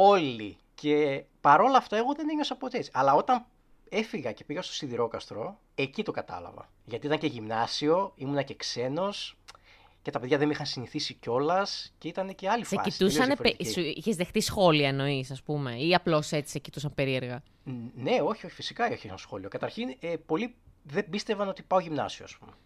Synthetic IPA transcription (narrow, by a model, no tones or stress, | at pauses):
o̞li | ce̞pɐɾo̞lɐːft̪ɐeɣo̞ðe̞neɲo̞sɐpot̪esɐlɐo̞t̪ɐn | e̞fiɣɐce̞piɣɐst̪osiðiɾo̞kɐst̪ɾo̞ | ecit̪o̞kɐt̪ɐ̰lɐ̰vɐ̰ | ʝɐt̪it̪ɐŋce̞ʝimnɐsio̞imunɐce̞kse̞no̞s | ce̞t̪ɐpe̞ðʝɐðemixɐnsiniθisico̞lɐsce̞it̪ɐneceɐliseɐ̰sit̪usssɐnfoɾpeiiçezðe̞xt̪isxo̞liɐeno̞isɐspume̞iɐplo̞se̞t͡si̥secit̪usɐmpe̞ɾie̞ɾɣɐ | ne̞o̞çioçi̥fisi̥kɐoçissxo̞lio̞kɐt̪ɐɾçinepo̞liðebist̪evɐno̞t̪ipɐo̞ʝimnɐ̰sioɐspume